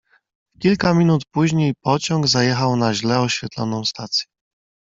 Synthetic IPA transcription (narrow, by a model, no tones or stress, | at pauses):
kʲilkamʲinut̪puʑɲejpɔt͡ɕɔ̃ŋɡzajɛxawnaʑlɛɔɕfʲɛt̪lɔ̰nɔ̃w̃st̪at̪sʲjɛ